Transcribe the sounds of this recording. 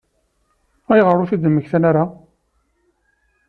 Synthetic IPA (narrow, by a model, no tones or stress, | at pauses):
æjʁərˤːʊθid̪əmːəçθænaɾa